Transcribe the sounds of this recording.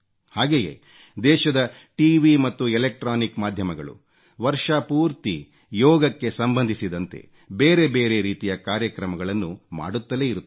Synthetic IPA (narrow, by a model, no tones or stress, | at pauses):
haːɡe̞ːjḛː | d̪ɛːʃɐd̪ɐ | ʈiʋimɐt̪ːuɛlek̚ʈɾaːnikmaːd̪ʱjɐmɐɡɐɭṵ | ʋɐɾʂɐpuːɾt̪i | jɔːɡɐkːe̞sɐmbɐnd̪ʱisid̪ɐnt̪e̞̰ | beːɾe̞beːɾe̞ɾiːt̪ijɐkaːɾjɐkɾɐmɐɡɐɭɐnːuma̰ːɽut̪ːɐle̞ːiɾut̪ː